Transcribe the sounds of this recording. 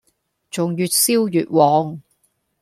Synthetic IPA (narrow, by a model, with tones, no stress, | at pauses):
t͡ʃʊ˨ŋjyː˨˧t̚siː˥wjyː˨t̚wɔː˨˧ŋ